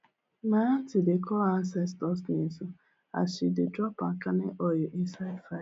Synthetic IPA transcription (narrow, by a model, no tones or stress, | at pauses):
matɪdekʰɔansɛstɔsnizu | a̰ʃɪdɪdɾɔpakaneʔɔjɔʔinsadfa